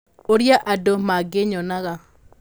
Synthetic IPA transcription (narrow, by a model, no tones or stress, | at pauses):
oɾjaʔadomaɡɪɲɔnaɣa